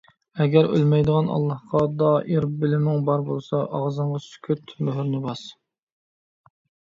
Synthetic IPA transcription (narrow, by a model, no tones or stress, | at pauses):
ɛɡʲæɾø̰lmɛjd̪əʁɑnɑ̰lˠːɑhqɑd̪ɑʔiɾbɪlɪmɪŋbɑɾbolˠsɑʔɑʁzɨɴʁɑsy̥kʲʰøt̪møɦyɾnɪbɑs